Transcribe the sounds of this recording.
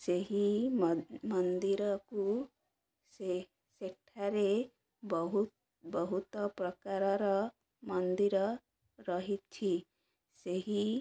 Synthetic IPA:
seɦimmʌnd̪iɾɔku | se | seʈʰaɾe | bɔɦut̪ | bɔɦut̪ɔpɾɔkaɾɔɾɔ | mʌnd̪iɾɔ | ɾʌɦit̪t͡ʃʰi | seɦi

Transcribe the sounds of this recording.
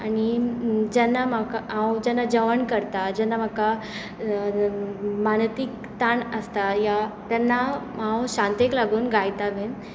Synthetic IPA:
anid͡ʑɛnːamakaãwd͡ʑɛnːad͡ʑəʋəɳkəɾt̪ad͡ʑɛnːam̤aka | mant̪ik | t̪aɳəst̪ajat̪ɛnːamãwɕãnt̪eklaɡuːnɡajt̪abʱen

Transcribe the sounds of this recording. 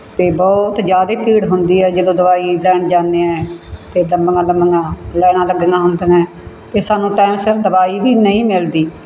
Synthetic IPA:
t̪eːbɔːt̪d͡ʒjaːd̪eːpiːɽɦʊnd̪iːɛːd͡ʒəd̪õːd̪əʋaːiːlɛːɳd͡ʒaːnd̪eːɛ̃ːt̪eːləmbəŋãːləmbəŋãːlɛːɽ̃aːləɡəŋaːɦʊnd̪ənɛ̃ː | t̪eːsaːnũːʈaːɪmsəld̪əbaːiːbiːnəĩːmɪld̪iː

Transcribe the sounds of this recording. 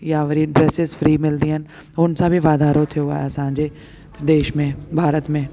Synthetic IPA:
jaʋəɾiɖɾɛːsɪzfɾiːmɪld̪iɦən | ʊnsabʱiʋaːd̪aːɾot̪ʰijoa̰ːasãːɲd͡ʒe | d̪eːʃmẽbʱaːɾət̪mẽː

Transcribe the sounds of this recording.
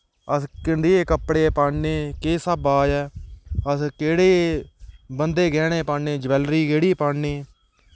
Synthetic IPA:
əskɪɳɖ̪eeːkəpːɽeːpaːɳneːkeːsəbaːd͡ʒɛːəskeːɽeː | bənd̪eːɡɛːɽ̃eːpaːeːd͡ʒəʋɛːlɾiːkeːɽiːpaːɳneː

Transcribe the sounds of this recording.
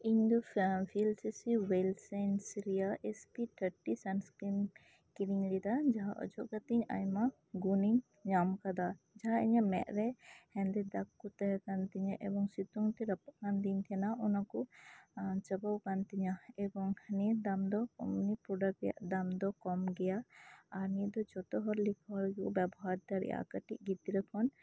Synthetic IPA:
iɲd̪ɔpʰilsisiwɛlsansiɾijaʔɛspit̪ʰəɾʈisanskɾim | kiɾiŋlid̪ad͡ʒaɦaʔɔ̰d͡ʒɔʔkat̪ɛɲa̰jma | ɡuniŋ | ɲamkad̪a | d͡ʒaɦaɛɲamɛ̰ʔɾɛhɛnd̪ɛd̪akːut̪ɛɦɛkant̪iɲaʔɛbɔŋsit̪uŋt̪ɛɾəpakand̪iɲt̪ʰɛnaʔɔnakɔ | t͡ʃəbawkant̪iɲaɛbɔŋhʰənid̪amd̪ɔkɔ̰mnipɔɖaɡɛja̰ʔd̪amd̪ɔkɔmɡɛjaːɾnid̪ɔt͡ʃɔt̪ɔɦɔɾlikʰɔɾɡɛkɔbɛbɔɦaɾd̪aɾɛ̰ʔa̰kəʈiʔ̚ɡit̪iɾɛkʰɔn

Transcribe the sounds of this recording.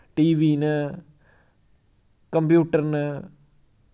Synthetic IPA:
ʈiʋinɨ | kɐmbjuːʈːɐrnɨ

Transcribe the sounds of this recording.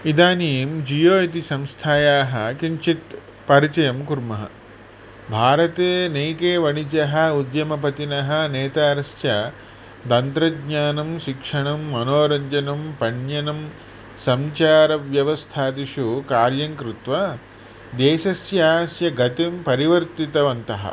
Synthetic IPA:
id̪aːnijmd͡ʒijoːit̪̬isɐ̃mst̪ʰaːjaːɦɐkiɲt͡ʃit̪ | pɐɾit͡ʃɐjɐmkuɾmɐɦɐ̰ | bʱaːɾɐt̪eːneːkeːʋɐɳit͡ʃɐɦɐ̆ud̪jɐmɐpɐt̪inɐɦɐneːt̪aːɾɐsjɐ | t̪ɐnt̪ɾɐɡ̚ɲaːnɐmʃikʂɐɳɐmːɐnoːɾɐɲd͡ʒɐnɐmpɐɳjɐnɐm | sɐmt͡ʃaːɾɐʋjɐʋɐst̪ʰaːt̪iʃukaːɾjɐŋkɾɪt̪ʋɐ | d̪eːʃɐsjaːsjɐɡɐt̪impɐɾiʋɐɾt̪it̪ɐʋɐnt̪ɐɦɐ̰

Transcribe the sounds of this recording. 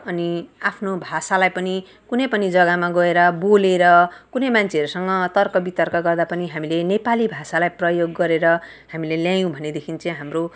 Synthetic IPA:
ʌniapʰnobʱasalajpʌni | kunʌjpʌnid͡zʌɡamaɡʌeɾʌboleɾʌkunʌjmant͡sʰeʌɾusʌŋʌt̪ʌrkʌbit̪ʌrkʌɡʌrd̪apʌniɦamilenepalibʱasalajprʌjoɡːʌɾeɾʌ | hamileljãjũbʱʌned̪ekʰint͡sʌ̃ɦamro

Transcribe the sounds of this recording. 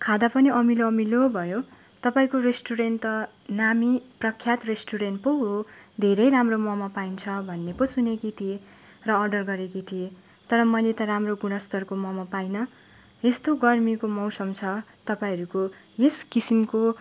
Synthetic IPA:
kʰad̪apʌniʌmiloʌmilobʱʌjo | t̪ʌpaĩkoresʈuɾent̪ʌ | namiprʌkʰjat̪resʈuɾenʈpowod̪ʱeɾʌjɾamromʌmapaint͡sʰʌbʱʌnːepʌsunekit̪ʰie | rʌːrɖʌrɡʌɾekit̪ʰie | t̪ʌɾʌmʌjlet̪ʌramroɡuɽ̃ʌst̪ʌrkomʌmapajnʌ | est̪oɡʌrmikomʌwsʌmt͡sʰʌt̪ʌpaĩɦʌɾuko | eskisimko

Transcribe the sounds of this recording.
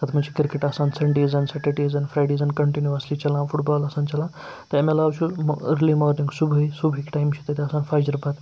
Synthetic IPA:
t̪ɐt̪ʰɐmɐt͡ʃʰi̥kiɾkeʈɐsãːnsɐɳɖiːzɐnsɐʈeʈiːzɐnfɾajɖeːzɐnkɐɳʈinjuɐslit͡ʃɐlãːfʰuʈbɔːlɐsãːnt͡ʃɐlã | t̪ɐemelaːwt͡ʃʰuləɾlimɔːɾnĩŋɡsubʱəisubʱikʈajmt͡ʃʰit̪ɐt̪iɐsãːnfaːjd͡ʒɐɾpat̪

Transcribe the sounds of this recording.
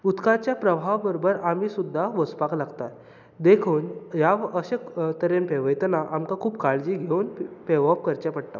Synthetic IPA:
ut̪kat͡ɕjapɾəbʱaʋbəɾobəɾamiːsud̪ʱːaʋəspaklaɡt̪at̪ | d̪ekʰoːnjaəɕet̪əɾenpeʋəjt̪naʔamkakʰuːbkaɭd͡ʑiːɡʱeunpeʋap̚kəɾt͡ɕapəɽt̪a̰

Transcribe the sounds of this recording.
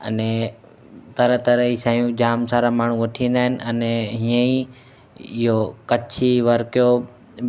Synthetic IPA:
ə̰nɛ | t̪ɐɾət̪əɾəisãːijũd͡ʑaːmsaːɾamaːɳ̤ũʋɐʈʰiə̃nd̪aːɦɪnɪ̆ənɛɦiə̃i | ɪɦokɐt͡ʃʰiʋɐɾkjo

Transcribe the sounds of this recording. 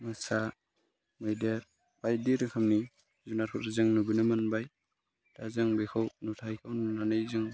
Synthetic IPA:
mɯsa | mɯjdeɾ | bajdiɾɯkʰamni | zunaɾpʰɔtazɯŋnubinɯmɯnbaj | d̥azɯŋbekʰawnutʰajkʰawnunanɯjzɯŋ

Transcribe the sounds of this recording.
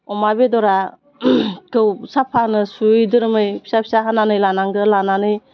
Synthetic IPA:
ɔmabedɔɾa | kɯwsapʰanɯsujdɯɾɯmɯjpʰi̥sapʰi̥saɦananɯjlanaŋɡɯlananɯj

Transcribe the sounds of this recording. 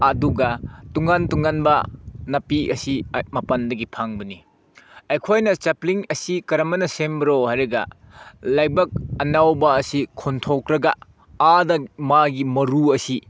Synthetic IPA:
ɐduɡɐtuŋɡantuŋanbɐnɐpiʔɐsimɐpɐndɐɡipʰaŋbɐni | ɐjkʰojnɐt͡ʃɐpliŋɐsikɐɾɐmɐnɐsembɐɾohaɾeɡɐ̰ | lajbɐk̚ɐnawbɐːsikʰontʰokɾɐɡɐ | adɐmaɡimɐɾuɐsi

